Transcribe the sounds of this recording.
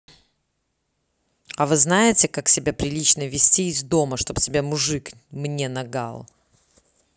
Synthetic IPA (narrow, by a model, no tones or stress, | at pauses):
ɐvɨznajɪtʲɪkaksʲɪbʲapɾʲɪlʲit͡ɕnəvʲɪsʲtʲiːzʲd̪o̞məʂt̪o̞btʲɪbʲamʊʐɨk | mnʲe̞nɐɡa̰lˠ